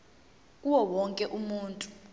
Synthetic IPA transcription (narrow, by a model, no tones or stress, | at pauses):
k̬ʼuwɔwɔŋkʼɛʔumuːntʼu